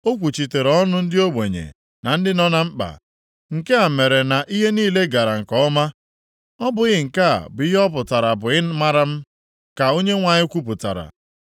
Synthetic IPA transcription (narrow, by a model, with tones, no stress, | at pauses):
o˦kʷu˨t͡ʃi˨te˨ɾɔ˦nʊ˦n̩˦dɪ˦o˦ɡ͡be˨ɲḛ˨ | na˨n̩˦dɪ˦nɔ˦na˦m̩˦k͡pa̰˨ | ŋ̩˨ke˦a˨me˨ɾe˨na˨ʔi˦ɦe˦niː˦˨le˦ɡa˨ɾa˨ŋ̩˨kɔ˦ɔ˦ma˦ | ɔ˦bʊ˨ɣɪ˨ŋ̩˨ka̰˦˨bʊ˨˦i˦ɦɔ˦p̬ʊ˨ta˨ɾa˨bʊ˨ɪ˦ma˦ɾa˦m̩˦ | ka˨o˦ɲe˦ŋʷa˨ɲɪ˦kʷu˦pʊ˨ta̰˨ɾa̰˨